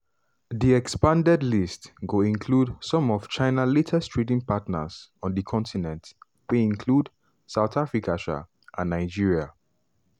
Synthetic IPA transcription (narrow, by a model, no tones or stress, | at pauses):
ðiɛkspãndɛdlistɡoĩnkʰludsɔ̃mɔv̥t͡ʃãɪnaletʰɛstʰɹedĩŋpatnə̰sɔ̃ndəkʰɔ̃ntʰinɛ̃nt | weĩnkʰlud | saʊθafɹikʰaʃa̰ | ʔãnːaɪd͡ʒiɹia